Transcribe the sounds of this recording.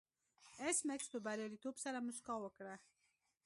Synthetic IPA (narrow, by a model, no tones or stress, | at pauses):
ɛsmɛkst̪ubaɾɛɾit̪upsaɾamuskawɔkɾɛ